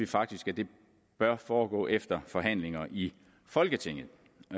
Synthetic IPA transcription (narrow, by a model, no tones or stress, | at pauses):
ifɑ̈ɡ̥̚d̥isɡ̥æd̥e̝ | b̥ɶɐfɒːɡ̥ɔ̰̽ːʔefd̥ɐfɒ̽ɦæn̰le̝ŋɐʔi | fɒ̽lɡ̥ət͡sʰe̝ŋ̰ð̩ˠ